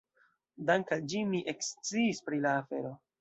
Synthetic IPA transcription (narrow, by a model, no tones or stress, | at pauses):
daŋkald͡ʒimiʔekst͡siːspɾilaːfe̞̰ɾo̞